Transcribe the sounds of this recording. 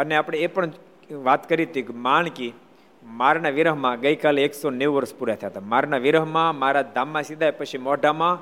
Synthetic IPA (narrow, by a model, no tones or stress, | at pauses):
əneapɽ̃eepəɳ | ʋat̪kəɾit̪ikmaɳki | maɾnaʋiɾəɦmãɡəikaleeksoneʋʋəɾspuɾjat̪ʰjaɦt̪amaɾnaʋiɾəɦmãmaɾad̪ʱamːãsid̪ʱajpət͡ʃʰimɔɖamã